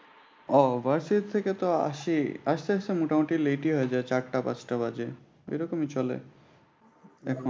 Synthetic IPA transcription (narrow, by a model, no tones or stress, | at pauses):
ɔbaɾsit̪ʰːeket̪oa̰ʃiaʃt̪ʰeaʃsemuʈamoʈileʈiɦɔed͡ʑaet͡ɕaɾʈːapa̰t͡ɕʰʈabad͡ʑe | ḛjɾɔkomit͡ɕɔlḛ | ɛkʰ